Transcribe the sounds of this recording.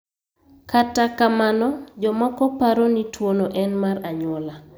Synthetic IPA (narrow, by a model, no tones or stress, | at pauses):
katakamanɔd͡ʒɔmɔkɔpaɾonitwonoʔɛnmaraɲɔla